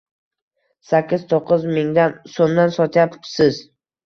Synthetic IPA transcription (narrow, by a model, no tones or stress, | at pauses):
sakʲːɪz̥t̪ʰoqʰːɨzmɪŋd̪ansonːansɒt̪ʰjapsɪz̥